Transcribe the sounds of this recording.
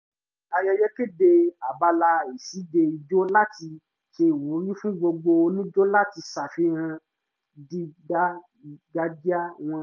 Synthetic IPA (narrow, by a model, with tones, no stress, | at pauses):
a˧jɛ˧jɛ˦ke˦de˧a˨ba˧la˧˨i˨si˨˦de˧i˧d͡ʒo˦la˦ti˧ | ʃe˧˨wo˨˦ɾ̃ĩ˦fũ˦ɡ͡bo˧ɡ͡bo˧nĩ˦d͡ʒo˦la˦ti˧sa˨fi˨˦ɾ̃ã˧ | di˦ɡa˦ | i˨ɡa˦di˦a˦w̃ɔ̃˧